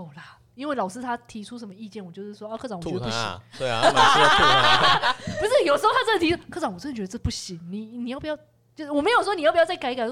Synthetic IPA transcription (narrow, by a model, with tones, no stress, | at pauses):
la˩ | i˥nwe˥˩ɪlɑ˨˩ʊʂɹ̩˥t̪ʰa˥t̪ʰi˧˥ʈ͡ʂʰu˥ʂə˧˥nmə˧i˥˧t͡ɕjɛ˥˩nwɔ˨˩t͡ɕjo˥˧ʂɻ̩˥˩ʂwɔ˥ɔ˥˧kʰɤ˥˧˩ɑ˥˦ŋ˨˩˥u˥˩ɕḭ˨˦˥ | pu˧˥ʂɻ̩˥˩jo˨˩ʂ̩˧˥˧t̪ʰa˥t͡sɤ˥˩ə˨˩i˧˥ʂ̩˥˩kʰɤ˥˩ʈ͡ʂɑ˧˥ŋwu˨˩˥t͡ɕɥɛ˧d̪ʈ͡ʂɤ˥˧˩pu˥˩ɕi˨˩˦ŋni˨˩ni˨˩jɑ˥˩pi˧˩j | t͡ɕjo˥˧ʊ˥wɔ˨˩me˧˥ɪjo˨˩ʂwɔ˥ni˨jpjt͡sa˥˩ka˧˥ɪ˥ka˨˩ɪ